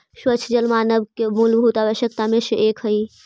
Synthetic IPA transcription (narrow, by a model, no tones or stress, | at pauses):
ʃwət͡ʃʰd͡ʒəlmaːnəbkemulbʱuːt̪aːʋəʃjəkt̪amẽʃəʔeːkɦəi